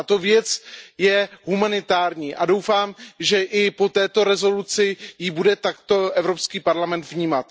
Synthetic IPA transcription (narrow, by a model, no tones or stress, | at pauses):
at̪o̞vjɛt͡sjɛɦumanɪt̪aːɾɲiːʔado̞wfaːmʒɛʔɪpo̞t̪ɛːt̪o̞ɾɛzo̞lut͡sɪjɪbudɛt̪akt̪o̞ʔɛvɾo̞pskiːpaɾlamɛnt̪vɲiːmat̪